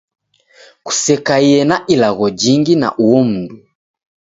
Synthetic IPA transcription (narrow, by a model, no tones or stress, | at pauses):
ku̥sɛkaiɛnaʔilaɣɔd͡ʒiŋɡina̰ʔuɔm̩du